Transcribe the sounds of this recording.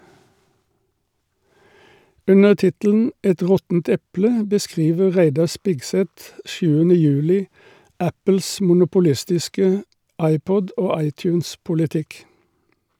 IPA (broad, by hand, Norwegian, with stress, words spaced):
ˈʉnəʁ ˈtɪtəl̩n̩ ˈɛt ˈʁɔtn̩t ˈɛplə bəˈskʁiːʋə ˈʁæɪdɑʁ ˈspɪɡˌsɛt ˈʃʉːənə ˈjʉːlɪ ˈæpəls mʊnʊpʊˈlɪstɪskə ˈɑɪˌpɔd ˈoː ˈɑɪˌtjʉːnspʊlɪˌtɪk